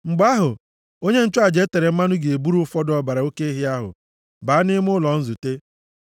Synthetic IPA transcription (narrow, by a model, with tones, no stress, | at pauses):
ŋ͡m̩˨ɡ͡ba˦ɦʊ˨ | o˦ɲe˦n̩˦t͡ʃʊ˦a˨d͡ʒe˨˦te˨ɾe˨m̩˦ma˦nʊ˦ɡe˨e˨bu˦ɾu˦ʊ˦fɔ˦dɔ˨ba˨ɾa˨o˦ke˦i˦ɦɪ˦a˦ɦʊ̰˨ | baː˨˦nɪ˦m˦ʊ˦lɔ˨n̩˦zu˨te˦